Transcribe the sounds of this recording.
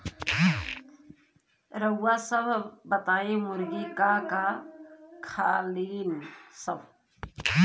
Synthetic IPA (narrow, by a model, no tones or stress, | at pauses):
ɾəʊwasəbʱbət̪aːimʊɾɡikaka | kʰaːliːnsəbʱ